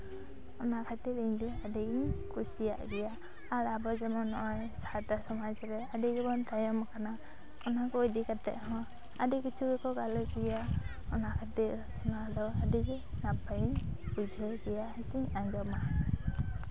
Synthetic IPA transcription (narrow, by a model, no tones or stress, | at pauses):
ɔnakʰat̪iɾiɲd͡ʒɛaɖiɲkusija̰ʔɡɛjaː | ɾabɔd͡ʒɛmɔnːɔʔɔjsat̪asɔmad͡ʒɾɛaɖiɡɛbɔnt̪ajɔmkana | ɔnakːjd̪ikat̪ɛ̰ʔɦɔ̃ | aɖikit͡ʃʰuɡɛkɔɡalɔt͡ʃiɡɛja | ɔnaʔkʰat̪iɾ | ɔnad̪ɔaɖiɡɛ | nabaiɲbud͡ʒʱɛɡɛjahisiɲaɲd͡ʒɔma